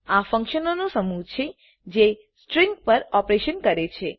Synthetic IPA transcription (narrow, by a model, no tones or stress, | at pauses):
afə̃ŋkʃənonosəmut͡ʃʰe | d͡ʒe | sʈɾĩŋɡpəɾɔpɾeʃənkəɾet͡ʃʰe